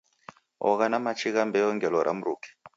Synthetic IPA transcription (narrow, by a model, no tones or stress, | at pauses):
ɔ̰ɣanamat͡ʃʰiɣambɛɔŋɡɛlɔɾʔa̰muɾṵːkʰɛ̥